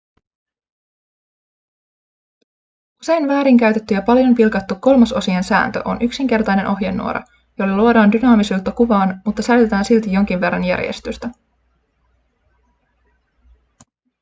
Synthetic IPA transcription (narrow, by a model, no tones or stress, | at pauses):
ʔuse̞jnʋæːɾiŋk̟æɥt̪et̪ːyjɑpɑljo̞mpilkɑt̪ːukːo̞lmɑso̞siɑnsæ̰ːnt̪ø̰ʔo̞̰nʔyksiŋk̟e̞rt̪ɑjne̞nʔo̞ɦjenːṵoɾɑ̰ | jolːɑluodɑːndynɑːmisuːlt̪ːɑkuʋɑːnmut̪ːɑsæyt̪et̪æːnsilt̪ijo̞ŋk̟iʋʋe̞rːɑ̰njæ̰rjḛst̪yst̪æ